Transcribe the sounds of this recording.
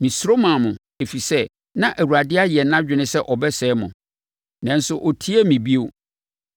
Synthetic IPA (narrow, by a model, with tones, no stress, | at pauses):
mĩ˨sɾo˦mã˨mʊ̃˨ | e˨fi˨sɛ˦ | nã˦ʔæ˨wu˨ɾa˨dɪ˦a˦jɛ˨˦nã˦d͡ʑᶣɪ˨nɪ̃˦sɛ˦ʔɔ˨bɛ˦sɛː˨˦mʊ̰̃˨ | nã˨n˦sʊ˦ʔɔ˨tʰi˦e˦mĩ˨bi˦o˦